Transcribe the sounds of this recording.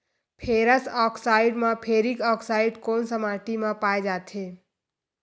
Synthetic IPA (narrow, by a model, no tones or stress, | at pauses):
pʰeɾəsɔːksaːɪiɖmãpʰeːɾikɔːksaiɖkoːnsəmaʈimãpaːjd͡ʒaːt̪ʰe